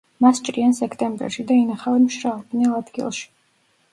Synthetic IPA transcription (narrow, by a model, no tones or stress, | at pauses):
mast͡ʃʼɾiansɛkʰt̪ʼɛmbɛ̰ɾʃid̪ainaχavɛmʃɾalb̪nɛlˠad̪ɡḭlˠʃi̥